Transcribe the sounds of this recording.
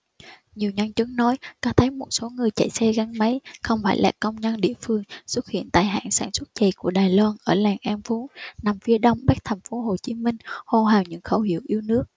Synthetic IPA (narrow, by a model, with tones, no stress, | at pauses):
ɲi˨˩əwɲə˧nt͡ɕɨ˨˦ŋnɔ˨˦jkɔː˨˦t̪ʰə˨˦jmo˨˩t̚so˨˦ŋɨ˨˩əjt͡ɕə˧˩jsɛ˧ɣa˧ŋma˨˦jxə˧wŋ͡mfaː˧˩jla̰ː˨˩kə˧wŋ͡mɲə˧nɗḭ˧˨əfɨ˧əŋswt̚hḭ˧˨ənt̪aː˨˩jɦa̰ː˧˨nsaː˧˩nswə˦˥t̚t͡ɕə˨˩ku˧˩əɗaː˨˩jlwaː˧nʔəː˧˩laː˨˩ŋʔa˧mfu˨˦na˨˩mfi˧əɗə˧wŋ͡mɓa˦˥k̚t̪ʰɛ˨˩jŋ̟fo˨˦ɦo˨˩t͡ɕi˨˦mï˧ŋ̟ho˧˩ɦaː˨˩wɲɨ̰˧˥ŋxə˧˩whi˧˩əwʔi˧əwnɨ˦˥ək̚